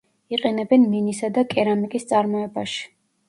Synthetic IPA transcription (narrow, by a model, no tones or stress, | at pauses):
iqʼɛnɛbɛnminisad̪akʼɛɾamikʼist̪sʼaɾmɔɛbaʃi̥